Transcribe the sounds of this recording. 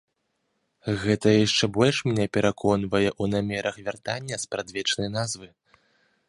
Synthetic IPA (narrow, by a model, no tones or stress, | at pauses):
ɣɛt̪ɐjaʂt͡ʂɛbɔlʲʂmnʲɛpʲɛɾʔakʰɔnvɐjɛʔunamʲɛɾɐxvʲart̪a̰nʲːɐspɾad̪vʲɛt͡ʂnɐjnazvɨ